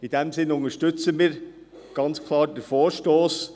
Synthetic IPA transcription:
ɪdɛmzɪnʊŋəʃtʏt͡səmiːɾ | ɡ̥ɑnt͡skʰlˠɑːɾdəɾfoːɾʃtoːs

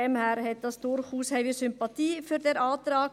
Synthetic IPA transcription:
ɛmhæːɾhɛt̪̚d̥ɑsd̪̥ʊɾχhuːshɛɪvəsʏmpɑt̪ʰiːfyɾdɛɾɑːt̪ɾɑːɡ

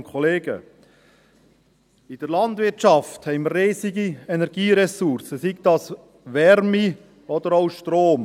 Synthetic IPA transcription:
kʰɔleːɡə̰ | ɪd̥əɾlɑnd̪ʋɪɾtt͡ʃɑfthɛɪmərːeːsiɡiɛnɛɾɡ̥iːɾɛsuɾsəsiɡ̚d̪ɑs | ʋɛɾmi | ɔd̥̪əɾoʊʃtɾoːm

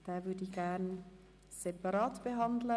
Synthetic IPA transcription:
d̥aːvʏdəiçɡ̥ɛn | sepɑɾɑːtb̥əɦɑndlə

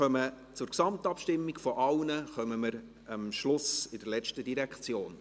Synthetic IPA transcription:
œmə | t͡sʊɾksɑmtɑpʃtɪmːiɡfɔʔɑlnəχœməməɾ | əmʃlʊsɪd̥əɾlɛt͡ʃtədiɾɛkt͡sjoːn

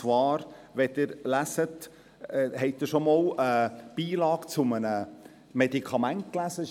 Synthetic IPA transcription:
t͡sʋɑːɾʋɛtɪɾlæsət | ɦɛɪt̚ɪɾʃɔmɑːləb̥iːlɑːɡ̥t͡sʊmənə | mɛdikʰɑmænt̚klæzə

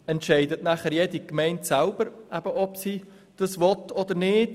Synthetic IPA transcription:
ɛntʃɛɪdətnæχəɾjɛdikmɛɪntsælb̥əɾæb̥əʔɔpsi | d̥ɑsʋɔtʰɔd̪əɾnɪːd̥

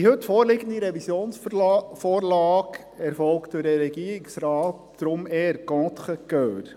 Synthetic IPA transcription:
ihɵtfoːɾlɪɡənd̪iɾɛvisjoːnsfoːɾlɑːk | ɛɾfɔlkt̪əɾɛɾɛɡiːɾɪksɾɑːt | d̥ɾʊmɛːɾkɔt̪χəkœːɾ

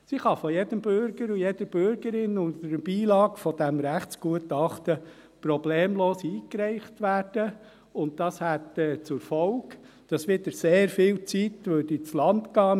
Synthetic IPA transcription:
siχɑfɔjɛd̥əmbʏɾɡ̥əɾujɛd̪əɾb̥ʏɾɡəɾɪnʊntəɾb̥iːlɑːɡfɔdæmɾæχtsɡ̥uətɑχtə | pɾɔbleːmloːsiːkɾɛɪχtʋæːd̥ə | ʊnt̚dɑshætɛːt͡sʊɾfɔlɡ | d̥ɑsʋɪdəɾseːɾfiːlt͡sitʋødit͡slɑntkɑː

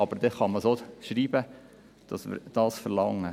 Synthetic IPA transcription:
ɑb̥əɾd̪etχɑməsoːʃɾiːbə | d̥ɑsmə̰ɾd̥ɑːsfəɾlɑŋːə

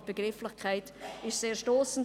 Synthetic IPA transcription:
b̥əɡ̥rɪflɪχkʰaɪtɪʃseːʃtɔːsn̩

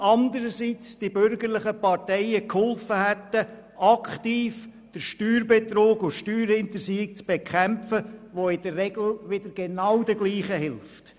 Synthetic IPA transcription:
ɑnd̪əɾəsit͡sd̥ibʏɾɡəɾlɪχəpɑɾtɛɪəkhɔlfəhæt̪ə | ɑkχtiːf | d̥əɾʃtyːɾbet̪ɾoːɡʊʃtyːɾhɪnt̪əsiːɪk̚t͡sb̥ekʰɛmfəʋoɪd̥əːɛɡl̩ʋɪdəɾɡ̥enawdəɡliːχəɦɪlft

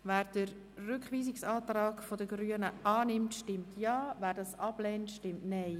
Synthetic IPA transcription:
væːɾd̥ərː | ʏkχʋiːsɪksɑːt̪rɑːɡfodəɡɾyənəʔɑːnɪmtʃtɪmtjɑːvæːɾdɑsɑb̥lɛːntʃtɪmtnɛɪ

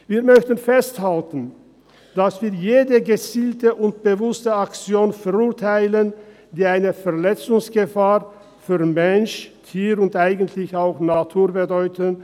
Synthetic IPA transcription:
viːɐmœçtən̩fɛsthaltn̩ | d̥asv̥iːɐjeːdəɡət͡siːltəʔʊnt̚b̥əvʊstəakt͡sjoːnfɛʁʊːɐtʰaɪlən | diːaɪnəfɛɐlɛt͡sʊŋsɡ̥əfaːʁ | fyːɐʁmɛnʃtʰiːʁʊntʔaɪɡəntʰlɪçaʊxnatʰuːɐbədɔʏtʰən

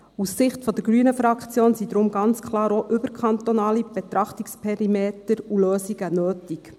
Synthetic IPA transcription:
usːɪχtfɔd̪əɾɡɾyənəfɾɑkʰt͡sjoːnsid̥̪ɾʊmɡɑnt͡skʰlɑːɾoʔʏbəɾkʰχɑnt̪onɑːlib̥et̪ɾɑχtikspʰɛɾimeːt̪əɾuløːsiɡ̥ənøːtik

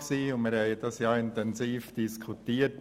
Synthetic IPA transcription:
ksiːʊnmɪɾhɛɪd̥̪ɑsjɑːɪntɛnsiːfd̥iskʰut̪iːət

